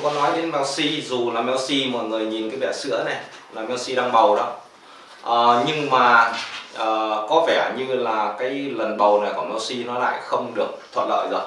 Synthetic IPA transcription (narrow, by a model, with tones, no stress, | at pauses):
kɔ˨˦nɔ˨˦jɗe˨˦nmɛ˨˦wsi˧zu˨˩laː˨˩mɛ˨˦wsi˧mɔ̰˨˩jŋɨ˨˩əjɲi˨˩nkaː˨˦jɓɛ˧˩sɨ̰˧˥ənɛ˨˩ | laː˨˩mɛ˨˦wsi˧ɗaː˧ŋɓə˨˩wɗɔ˨˦ | ʔəː˨˩ɲɨ˧ŋmaː˨˩ʔəː˨˩kɔ˨˦vɛ˧˩ɲɨ˧laː˨˩kaː˨˦jlə˨˩nɓə˨˩wna˨˩jkɔ˧˩mɛ˨˦wsi˧nɔ˨˦la̰ː˧˨jxə˧wŋ͡mɗɨ˨˩ək̚t̪ʰwə̰˧˨t̚lə̰ː˧˨jzəː˨˩j